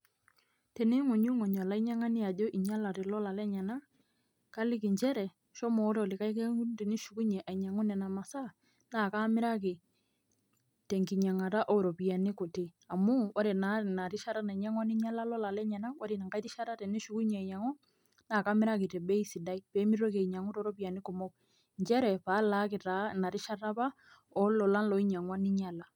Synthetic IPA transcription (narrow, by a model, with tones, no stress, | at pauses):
tɛ˨ne˦ŋʊ˨ɲu˦ŋɔ˨ɲa˨la˦i˦ɲa˦ŋa˦nɪ˦a˨d͡ʒo˦ʔi˨ɲa˦la˨tɛ˨lɔ˦la˨lɛ˦ɲɛ˨na˦ | ka˦lɪ˦ki˨ɲt͡ʃɛ˦ɾɛ˨ | ʃɔ˦mɔː˨˦ɾe˦ɔ˨lɪ˨ka˦jk̬e˦u˦ti˨ni˦ʃu˨ku˦ɲɛ˨ʔa˨ɲa˨ŋɔ˦nɛ˨na˨ma˨sa˦˨ | na˦˨ka˦mɪ˦ɾa˦k̬ɪ˨ | tɛ˨ŋki˨ɲa˨ŋa˨ta˦ʔɔ˦˨ɾɔ˨pi˨a˨nɪ˦ko˨ti˦ | a˨mʊ˦ʔa˦ɾe˨na˨na˨ɾɪ˦ʃa˦ɾa˦na˨i˨ɲa˦ŋwa˦nɪ˦ɲa˦la˦lɔ˦la˨lɛ˦ɲɛ˨na˦ŋwa˦ɾi˨na˨ŋka˦i˦tɪ˦ʃa˦ɾa˦tɛ˨ni˦ʃu˦ku˦ɲɛ˨a˨ɲa˨ŋɔ˦ | naː˦˨kaː˦mɪ˦ɾa˦k̬ɪ˨tɛ˨bɛ˦i˦si˨da˦i˦pe˨˦mi˦ɾo˦ke˨i˨ɲa˨ŋu˦tɔ˨˦ɾɔ˦p̬i˨a˨nɪ˦kʊ˨mɔ˦k̚ | ɲt͡ʃɛ˦ɾɛ˨pa˨˦la˨˦kɪ˨ta˨˦na˨ɾɪ˦ʃa˦ɾa˦pa˦ | ɔ˦lɔ˨la˦nlɔ˨i˦ɲa˨ŋwa˦nɪ˦ɲa˦la˨